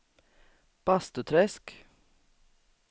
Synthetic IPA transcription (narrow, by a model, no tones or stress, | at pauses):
b̥ɑst̪ət̪ʰɾɛsk